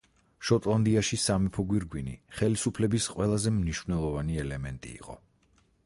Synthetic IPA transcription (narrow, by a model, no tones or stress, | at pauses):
ʃɔt̪ʼlˠand̪iaʃisamipʰɔɡwiɾɡwinḭχɛlisupʰlɛbisqʼwɛlˠazɛmniʃvnɛlˠɔvaniɛlɛmɛnt̪ʼḭːqʼɔ̰